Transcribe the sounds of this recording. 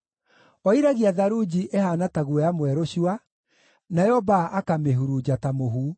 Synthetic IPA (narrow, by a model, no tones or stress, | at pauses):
ɔiɾaɣiaðaɾud͡ʑiʔehaːnataɣuɛamwɛɾoɕua | najɔbaʔakameɦuɾud͡ʑatamoɦu